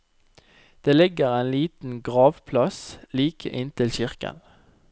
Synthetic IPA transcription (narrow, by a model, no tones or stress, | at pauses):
d̪̥eːlɪɡəʁeːnliːt̪n̩ɡʁɑːʋpʰlɑsliːkʰə̰ʔɪnt̪ʰɪlçɪʁkə̰n